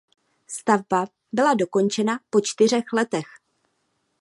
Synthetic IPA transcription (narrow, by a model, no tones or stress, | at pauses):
st̪avba | bɪlado̞ko̞nt͡ʃɛnapo̞t͡ʃt̪ɪr̝ɛxlɛt̪ɛx